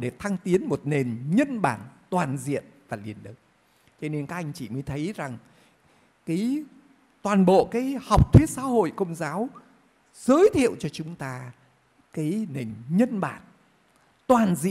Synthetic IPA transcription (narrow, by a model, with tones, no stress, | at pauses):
ɗe˨˩t̪ʰa˧ŋt̪i˨˦ənmo˨˩t̚ne˨˩nɲə˧nɓa̰ː˧˩nt̪waː˨˩nzḭ˧˨ənvaː˨˩li˨˩ənlɨ˨˩k̚ | t͡ɕɔ˧ne˧nkaː˦˥k̚ʔa˧jŋ̟t͡ɕḭ˧˩məː˨˦jt̪ʰə˨˦jza˨˩ŋ | kaː˨˦j | t̪waː˨˩nɓo̰˧˨kaː˨˦jha˨˩wk͡p̚t̪ʰwi˦˥ət̚sa̰ː˧˥ho̰˧˨jkə˧wŋ͡mzaː˨˦w | z̥əː˨˦jt̪ʰḭ˧˨əwt͡ɕɔ˧t͡ɕʊ˨˦ŋ͡mt̪aː˧ | kaː˨˦jne˨˩nɲə˧nɓa̰ː˧˩n | t̪waː˨˩nzḭ˧˨